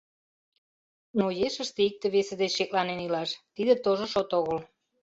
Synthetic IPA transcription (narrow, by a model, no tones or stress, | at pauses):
nojeʃəʃt̪eik̚t̪ĕβesed̪et͡ɕːek̚lɑnenilɑʃt̪id̪et̪oʒoʃot̪oɣəl